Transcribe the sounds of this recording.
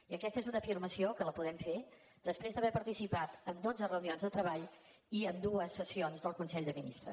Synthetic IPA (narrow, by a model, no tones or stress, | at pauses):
iəkɛst̪əezunəfirməsiokələpuðɛmfe | d̪əspɾezd̪əβɛpəɾt̪isipat̪ənd̪od͡zərəunionzðət̪ɾəβaʎ | iənd̪uəsːəsionzðəlˠkunsɛʎd̪əminḭst̪ɾə̰